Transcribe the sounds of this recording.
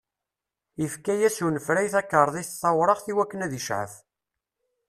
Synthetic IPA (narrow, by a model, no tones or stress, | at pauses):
ifkæjæsunəfɾæjθækːəɾˤðˤiθθɑwɾˤɑʁθiwækːənæðiʃʕə̰f